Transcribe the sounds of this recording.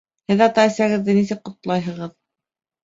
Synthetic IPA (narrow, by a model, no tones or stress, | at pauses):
hɘðɑt̪ɑɘ̆sæɣɘ̆ðːɘnisɘk̚qŏt̪lˠɑjɦɤ̆ʁɤð